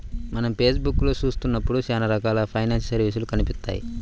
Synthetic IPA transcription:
mɐnɐmpeːsbukːloːsuːst̪unːɐpːuɽusaːnɐɾɐkaːlɐpʰɐjnaːnssɐɾʋis̬ulukɐnipit̪ːa̰ːjḭ

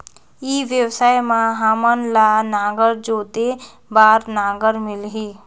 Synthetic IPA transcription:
iːʋjəwsaːjmãɦaːmənlaːnaːɡəɾd͡ʒoːt̪e | baːɾnaːɡəɾmɪlɦiː

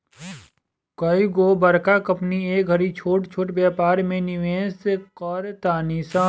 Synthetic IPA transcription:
kɐiɡoːbɐɾkakɐpnieːk̚ɡʱɐɾit͡ʃʰoːʈt͡ʃʰoːʈbaːpaːɾmẽnɪʋẽːsekɔɾt̪aːnisãː

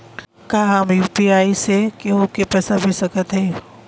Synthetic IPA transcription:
kaːɦamjuːpiaːisekeokepɛːsabʱisɐkət̪ɦɛː

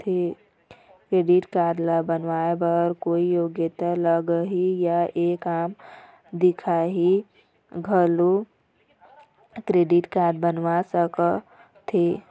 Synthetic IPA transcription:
t̪ʰe | kɾeːɖɪʈkaːɾɖlabənʋaebəɾkoːijoːɡjət̪aləɡəɦijaeːkaːm | d̪ɪkʰaɦi | ɡʱəlo | kɾeːɖɪʈkaːɾɖ̚bənʋasək | t̪ʰe

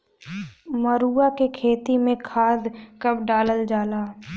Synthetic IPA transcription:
məɾuːakekʰeːt̪imẽkʰaːd̪kɐbɖaːləld͡ʒaːlaː

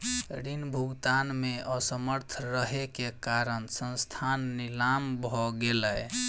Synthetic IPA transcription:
ɾinbʱuɡt̪anmeəsəməɾt̪ʰɾəɦekekaɾənsənst̪ʰanːilambʱɔɡelə

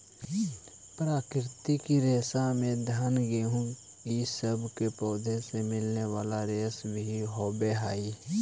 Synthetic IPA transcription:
pɾaːkɾɪt̪ikiɾeːsamẽd̪ʱaːnɡeːɦũ | kisəbkepɔːd̪ʱesemɪlnewaːlaɾeːsbʱiɦoːbeɦaːi

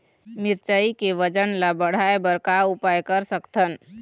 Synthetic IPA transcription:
mɪɾt͡ʃəikeʋəd͡ʒənlabəɽ̤aebəɾkaʊpajkəɾsəkt̪ʰən

